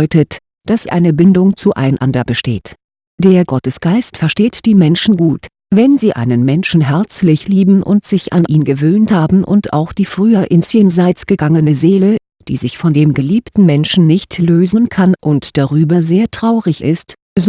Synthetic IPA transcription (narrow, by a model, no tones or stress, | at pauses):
ʏtət | d̥asʔa̰ɪnəbɪndʊŋt͡suʔa̰ɪnʔa̰ndɐbəʃteːt | d̥eːɐɡɔtəsɡ̥aɪstfɛɐʃteːtd̥iːmɛnʃn̩ɡuːt | vɛnziːʔa̰ɪnənmɛnʃn̩ɦɛɐt͡slɪçliːbm̩ʔʊ̰ntz̥ɪçʔa̰nʔiːnɡəvøːnthaːbm̩ʔʊ̰ntʔa̰ʊxd̥iːfʁ̥yːɐʔɪnsjenzaɪt͡sɡ̥əɡaŋənəzeːlə | d̥ḭːzɪçfɔndeːmɡəliːptn̩mɛnʃn̩nɪçtløːzənkʰanʔʊntd̥aʁyːbɐzeːɐtʁ̥aʊʁɪçʔɪ̰st | z